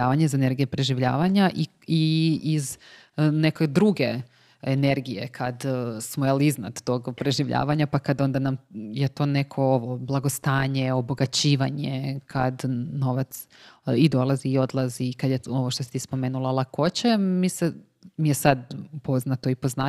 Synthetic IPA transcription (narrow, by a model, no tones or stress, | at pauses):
aːʋaɲezaene̞ɾɡijepɾe̞ʒiʋʎa̰ːʋaɲaʔi | iiz | nekod̪ɾuɡe | ene̞ɾɡijḛkʰad̪smojalizna̰d̪t̪o̞ɡpɾe̞ʒiʋʎʔa̰ːʋaɲapakad̪o̞nd̪anamjet̪o̞ːne̞kʰo̞oʋoblˠaɡo̞st̪aːɲeo̞bo̞ɡat͡ɕiːʋaɲekʰad̪no̞ʋat̪s | id̪o̞lˠaziːo̞d̪lˠazikad̪jeo̞ʋo̞ʃt̪osi̥t̪ispo̞meːnulˠalˠako̞t͡ɕemise | mijesad̪po̞znat̪o̞ipo̞znaː